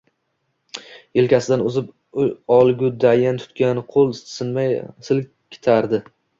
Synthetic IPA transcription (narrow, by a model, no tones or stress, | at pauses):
elkʲasɪd̪anʊzɪp | ɒlˠɡʲʊd̪ajant̪ʰʊ̥t̪kʲanqʰolˠsɪnmajsɪl | kʲʰɪ̥t̪ʰaɾd̪ɪ